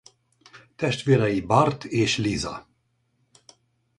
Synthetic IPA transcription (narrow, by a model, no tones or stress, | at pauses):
t̪ɛʃt̪ʋeːɾɛjibɑrt̪ʰeːʃlizɒ̰